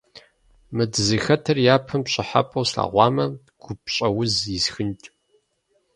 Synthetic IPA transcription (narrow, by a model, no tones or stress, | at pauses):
mɨdzɨxɐtʰɐrjaːpʰɐmpɕʼɪħa̰pʼɐwsɬa̰ːʁʷɑːmɐ | ɡ̥ʷʊp̚ɕʼɐwʊzjɪsxɨntʼ